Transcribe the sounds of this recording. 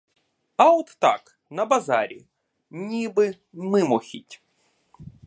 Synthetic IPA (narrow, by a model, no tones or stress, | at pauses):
ɐɔt̪ːa̰k | nɐbazaɾʲɪ̰ | nʲibɨ | mɨmɔxʲitʲ